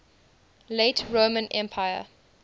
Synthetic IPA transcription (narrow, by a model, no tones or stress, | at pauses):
leɪtʰɹomə̃nʔɛ̃mpʰaɪə̰